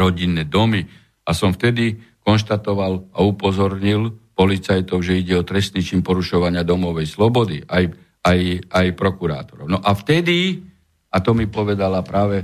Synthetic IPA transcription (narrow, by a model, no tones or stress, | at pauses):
ɾɔɟinːɛd̪ɔmi | asɔmft̪ɛd̪ikɔnʃt̪at̪ɔʋalaupɔzɔɾɲilpɔlit͡sajt̪ɔʊʒɛiɟɛɔt̪ɾɛst̪nit͡ʃinpɔɾuʃɔʋaɲɪad̪ɔmɔʋɛjslɔbɔd̪iaj | ajajpɾɔkuɾa̰ːt̪ɔ̥ɾɔʊnɔʔaft̪ɛd̪i | at̪ɔmipɔʋɛd̪alapɾaːʋɛ